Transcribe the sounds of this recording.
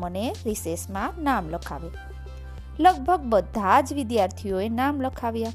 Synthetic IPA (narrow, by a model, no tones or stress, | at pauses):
məneɾisesmãnamləkʰa̰ʋe | ləɡ̚bʱəɡbəd̪ʱad͡ʒʋɪd̪jaɾt̪ʰioenamləkʰaʋja